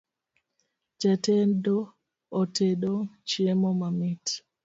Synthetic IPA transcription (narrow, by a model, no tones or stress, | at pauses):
d͡ʒɛtendoː | teɗot͡ʃemɔmamit